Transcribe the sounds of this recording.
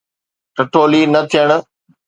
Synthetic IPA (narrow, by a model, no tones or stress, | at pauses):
ʈɪʈoːliːnɐt̪ʰijəɽ̃̆